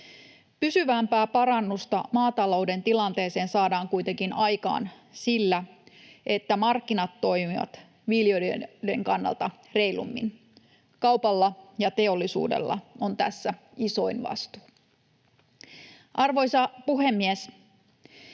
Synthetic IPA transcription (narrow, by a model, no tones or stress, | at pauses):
pysyʋæmpæːpɑɾɑnːust̪ɑmɑːt̪ɑlo̞ude̞nt̪ilɑnt̪e̞ːse̞ːnsɑːdɑːŋkujt̪e̞ŋkinɑjkɑ̰ːn | silːæʔe̞t̪ːæmɑrkːinɑt̪ːo̞jmiʋɑ̰t̪ | ʋiljode̞ŋkɑnːɑ̰lt̪ɑ | re̞ijlṵmːḭn | kɑwpɑlːɑjɑt̪e̞o̞lːisṵːdḛlːɑ̰o̞nt̪æsːæ | iso̞inʋɑ̰st̪u̥ː | ʔɑrʋo̞jsɑpuɦemːies